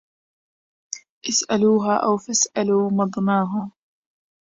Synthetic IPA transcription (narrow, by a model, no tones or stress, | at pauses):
ʔɪsʔaluːɦaːʔawfasʔaluːmɑd̪ˤnɑːɦaː